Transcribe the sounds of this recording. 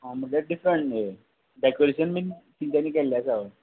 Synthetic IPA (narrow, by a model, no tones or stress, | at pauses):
ɦãm̤əʈlaɖifɾəɳʈje | ɖɛkoɾeɕənmiːt̪iɲt͡ɕanːiːkɛljasaʋə